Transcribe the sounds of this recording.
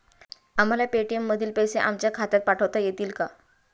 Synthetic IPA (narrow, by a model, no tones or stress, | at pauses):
am̤alapeʈiemːəd̪ʱiːlpəjseʔamt͡ɕjakʰat̪at̪̚paʈʰəʋt̪ajet̪iːlka